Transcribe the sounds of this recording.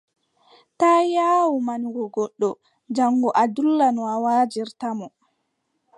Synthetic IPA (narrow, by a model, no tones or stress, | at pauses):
taːjaːwumanɡɔɡɔɗːɔ | d͡ʒaŋɡɔʔadulːanɔawaːd͡ʒiɾtamɔ